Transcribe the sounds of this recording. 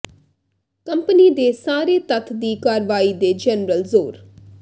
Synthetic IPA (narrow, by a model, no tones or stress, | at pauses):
kə̃mpəniːd̪eːsaːɾeːt̪ət̪ʰd̪iːkaːɾʋaːiːd̪eːd͡ʒɛnɾəlzoːɾ